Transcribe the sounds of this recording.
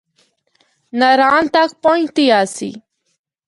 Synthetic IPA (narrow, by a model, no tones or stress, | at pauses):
nɐɾaːnt̪ak̚pɔĩt̪iaːsḭ